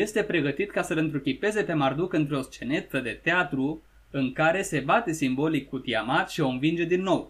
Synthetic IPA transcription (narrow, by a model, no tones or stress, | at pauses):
je̞st̪e̞pɾe̞ɡət̪it̪kasəlɨnt̪ɾukʲipe̞ze̞pe̞mard̪ukɨnt̪ɾeo̞st͡ʃe̞ne̞t̪əd̪e̞t̪eat̪ɾu | ɨŋkaɾe̞se̞bat̪e̞simbo̞likːut̪iamat̪ʃio̞ɨnvind͡ʒe̞d̪inːo̞w